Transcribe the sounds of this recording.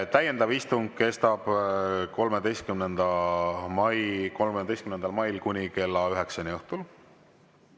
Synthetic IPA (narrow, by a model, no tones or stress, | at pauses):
t̪æje̞nd̪̥ɑvist̪uŋɡ̥̚ke̞st̪ɑb̥ko̞lmed̪e̞jst̪̚kymnend̪̥ɑmɑjkolmeymed̪ejst̪kymnend̪ɑlmɑjlkunʲike̞lːɑyɦe̞ksɑnʲejuht̪ul